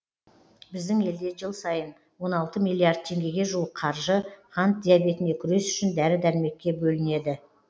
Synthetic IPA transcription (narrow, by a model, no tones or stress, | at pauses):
bɪzd̪ɪŋe̞ld̪e̞ʒəlˠsɑjən | wo̞nɑlˠt̪əmilʲˠːiard̪̚t̪ʰe̞ŋɡʲe̞ɡʲe̞ʒuwəqqʰɑɾʒəχɑnt̪̚d̪ʲijabe̞t̪ɪnekʲʰʏɾe̞sʏ̥ʃɪnd̪æɾɪd̪æɾɪme̞kʲːe̞bɵlɪne̞d̪ɪ